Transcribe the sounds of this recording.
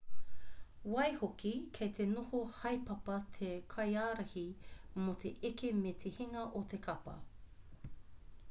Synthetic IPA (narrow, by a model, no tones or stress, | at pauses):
wɐjhokikʰejt̪ʰenohohɐjpɐpɐtʰekʰɐjaːɾɐhimot̪ʰeʔekemetʰehiŋɐʔot̪ʰekʰɐpɐ̰